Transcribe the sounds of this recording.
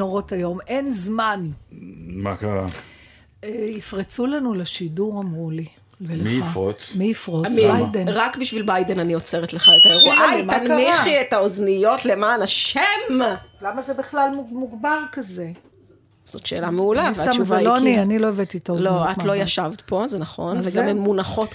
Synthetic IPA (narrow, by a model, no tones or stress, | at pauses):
oʁo̞tajo̞me̞nzman | makaʁa | eifʁet͡sulanuleʃiduʁamʁuli | eleiafot͡smiifʁomajdenʁakbiʃvilbajd̪enaniot͡seʁet̪leχaet̪aeʁumanmiχietaoznijo̞t̪lemaːnaʃemlamazebiχlalmumuɡbaʁkaze | z̥otʃe̞̰ːlameulavaʃvalonianiloevet̪it̪olo̞atlo̞jaʃavt̪po̞zenaχo̞nveɡamemːunaχo̞t̪